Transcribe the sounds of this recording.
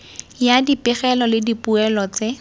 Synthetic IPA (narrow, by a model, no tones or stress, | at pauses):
jadipɪχɛlɔlɪdipuɛlɔt͡se